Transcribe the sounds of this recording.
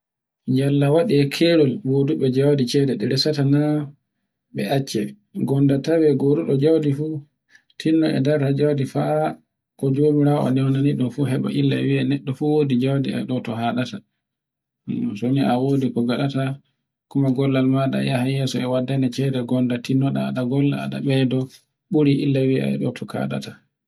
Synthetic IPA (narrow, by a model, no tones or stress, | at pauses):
d͡ʒalːawaɗiɛkʰɛɾɔlboduɓɛd͡ʒawdit͡ʃɛdɛɗɛɾɛsatana | ɓɛʔat͡ʃːɛ | ɡɔndatawɛɡoduɗɔd͡ʒawdifu | tʰinːɔʔɛ̰daɾad͡ʒawdifaʔa | kɔd͡ʒomiɾawɔɔ̰nɛwnaniɗɔmfuɦɛɓa̰ʔilːaɛwiɛnɛɗːɔfuwoːdid͡ʒawdiɛ̰ɗɔtɔɦaɗata | soniawoːdikɔɡaɗata | kumaɡɔlːalmaɗa̰jahajɛsɔɛwadːanɛt͡ʃɛdɛɡɔndatinːɔɗa̰ːɗaɡɔlːa̰a̰ɗa̰ɓɛdɔ | ɓuɾiʔilːawiɛa̰jɗɔtʰɔkʰa̰ɗa̰ta